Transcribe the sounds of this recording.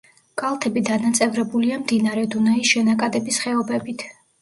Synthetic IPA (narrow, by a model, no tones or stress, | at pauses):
ɡ̥ʼalˠt̪ʰɛbid̪anat̪sʼɛvɾɛbuliamd̪inaɾɛd̪unaisʃɛnakʼad̪ɛbisχɛɔbɛbit̪ʰ